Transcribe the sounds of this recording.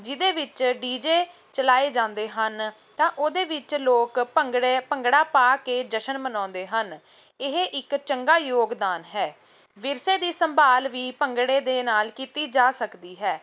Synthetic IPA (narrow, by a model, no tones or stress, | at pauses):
d͡ʒɪd̪eːʋɪt͡ʃɖiːd͡ʒeː | t͡ʃəlaːeːd͡ʒãːnd̪eːɦən | t̪ãːʔoːd̪eːʋɪt͡ʃloːkəɽpəŋɡɽaːpaːkeːd͡ʒəʃənmənãːnd̪eːɦən | ɪɦeʔɪkt͡ʃəŋɡaːjoːɡd̪aːnɦɛː | ʋɪɾseːd̪iːsəmbaːlʋiːpəŋɡɽeːd̪eːnaːlkiːt̪iːd͡ʒaːsəkd̪iːɦɛː